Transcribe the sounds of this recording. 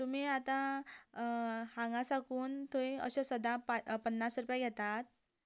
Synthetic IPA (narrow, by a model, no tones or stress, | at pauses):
t̪um̤iːat̪ã | hãŋɡasakuːnt̪oiə̰ɕesəd̪ãpapənːasɾupajɡʱɛt̪at̪̚